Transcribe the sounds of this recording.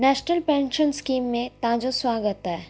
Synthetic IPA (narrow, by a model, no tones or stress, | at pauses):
nɛːʃnəlpɛ̃ːnʃənskiːmːẽt̪ãːd͡ʒoswaːɡət̪ɦɛː